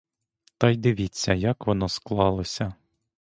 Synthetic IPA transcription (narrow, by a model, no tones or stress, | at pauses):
t̪ɑjd̪ɪʋʲit͡sʲːɐjɐkʋɔnɔsklˠɑlˠɔsʲɐ